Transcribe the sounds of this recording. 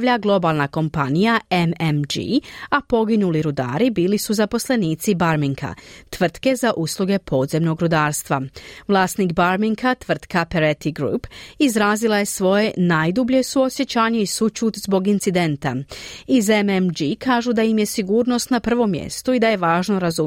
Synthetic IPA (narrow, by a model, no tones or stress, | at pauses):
ʎaɡlˠo̞baːlˠnako̞mpanijaememd͡ʒḭapo̞ɡinuliɾud̪a̰ːɾibiːlisuzapo̞sle̞niːt̪sibaɾmiŋkʰa̰t̪ʋr̩t̪ke̞zaʔuːslˠuɡe̞pʰo̞ːd̪ze̞mno̞ɡɾud̪aːɾst̪ʋaʋlˠaːst̪nikbaɾmiŋkʰat̪ʋr̩t̪kapeɾet̪iɡɾṵːpizɾaːzilˠaje̞sʋo̞je̞naːjd̪ubʎe̞suo̞sje̞t͡ɕaːɲeisut͡ʃuːt̪zbo̞ɡint̪sid̪e̞nt̪a̰izememd͡ʒikaːʒud̪ajimje̞siɡuːɾno̞st̪napr̩ʋo̞mːjḛst̪uid̪aje̞ʋaːʒno̞ɾazu